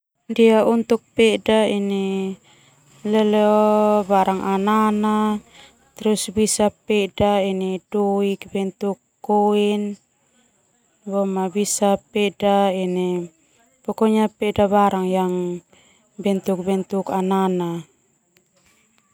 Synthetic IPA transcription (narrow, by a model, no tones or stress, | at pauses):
ndiaunt̪uk̚pɛdaini | lɛlɛɔbaɾaŋʔanana | t̪ɾusbisapɛdainidɔikbɛnt̪ukːɔin | bɔmabisapɛdainɛ | pɔkɔɲapɛdaβaɾaŋjaŋ | bɛnt̪uk̚bɛnt̪ukanana